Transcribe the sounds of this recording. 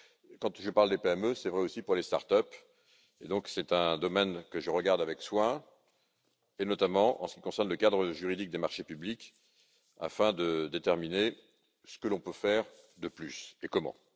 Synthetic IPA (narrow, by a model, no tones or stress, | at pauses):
kɑ̃t̪ʒəpaʁld̪epeɛmøsɛvʁɛosipuʁlest̪a̰ʁt̪œp | ed̪ɔ̃ksɛt̪ɛ̃d̪ɔmɛnkəʒəʁəɡaʁd̪avɛkswɛ̃ | enɔt̪amɑ̃ʔɑ̃sə̥kʲi̥kɔ̃sɛʁnləkad̪ʁəʒyʁid̪ik̚d̪emaʁʃepyblik | a̰fɛ̃d̪əd̪et̪ɛʁmine | sə̥kəlɔ̃pøfɛʁ | d̪əplysekɔmɑ̰̃